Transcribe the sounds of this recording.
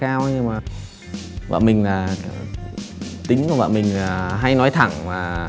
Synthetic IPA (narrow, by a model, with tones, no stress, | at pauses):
kaː˧wɲɨ˧maː˨˩ | va̰˧˨nmï˨˩ŋ̟laː˨˩ | t̪ï˨˦ŋku˧˩va̰ː˧˨mï˨˩ŋ̟laː˩ɦa˧jnɔ˨˦jt̪ʰa˧˩ŋmaː˨˩